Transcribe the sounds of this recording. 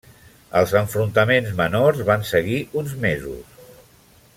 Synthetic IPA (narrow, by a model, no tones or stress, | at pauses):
əlˠzəɱfɾunt̪əmenzmənorzβansəɣiʔunzmezṵs